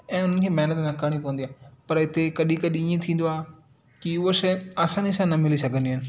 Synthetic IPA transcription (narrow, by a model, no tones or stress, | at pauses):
ɛ̃ːʊn̤ənɪkʰeːmɐɦnət̪nɐ̃kɐɽ̃ipoːə̃n̆d̪aːpɐɾɪt̪ekɐɗikɐɗiːẽt̪ʰĩːn̆d̪oaːɦe | kiʊɦoʃɐɐːsãːnisãnɐmɪlisɐɡʱə̃nd̪iɦnɪ